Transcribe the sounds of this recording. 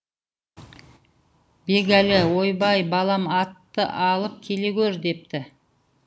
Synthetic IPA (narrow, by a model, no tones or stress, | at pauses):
be̞ɡʲælɪwo̞jbɑjbɑlˠɑmɑt̪ːə̰ʔɑlˠəp̚kʲʰe̞le̞ɡʲɵɾd̪e̞p̚t̪ɪ